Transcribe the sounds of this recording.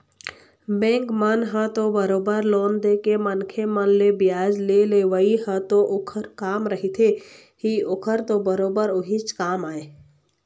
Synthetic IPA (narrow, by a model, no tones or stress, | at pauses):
bẽːŋkmənɦə̃t̪obəɾoːbəɾloːnd̪eːkemənkʰemənlebɪjaːd͡ʒleleːʋəiɦə̃t̪oʔʊkʰəɾkaːmɾəɦit̪ʰe | hiʊkʰəɾt̪obəɾoːbəɾʊɦit͡ʃkaːmaːeː